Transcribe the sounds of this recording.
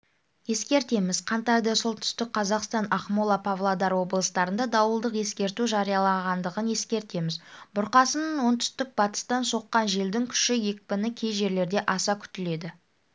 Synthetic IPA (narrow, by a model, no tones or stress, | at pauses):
je̞skʲe̞ɾt̪e̞mɪzqʰɑnt̪ɑjd̪ɑsolˠt̪ʰʏ̥st̪ɪk̚qʰɑzɑqst̪ɑnɑχmulˠɑpʰavlˠad̪ɑɾwo̞blˠəst̪ɑɾənd̪ɑd̪ɑwəlˠd̪əqje̞skʲe̞ɾt̪uʒɑɾijɑlˠɑʁɑnd̪əʁənje̞skʲe̞ɾt̪e̞mɪzbʊɾqɑsənəɴwo̞nt̪ʰʏ̥st̪ɪk̚bɑt̪ə̥st̪ɑnso̞qːɑnʒe̞ld̪ɪŋkʲʰʏ̥ʃɪje̞kʲpʲɪnɪkʲʰe̞jʒe̞ɾle̞ɾd̪e̞ʔɑsɑkʲʰʏ̥t̪ɪle̞d̪ɪ